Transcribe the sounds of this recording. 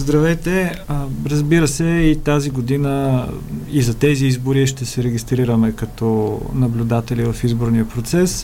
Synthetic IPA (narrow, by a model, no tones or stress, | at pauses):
zd̪ɾɐvɛjt̪ɛəɾəzbiɾəsɛit̪aziɡod̪inə | izɐt̪ɛziizboɾiʃt̪ɛsɛɾɛɡʲist̪ɾiɾəmɛkɐt̪ɔnɐblʲʊd̪at̪ɛlivəfizboɾniəpɾot̪sɛs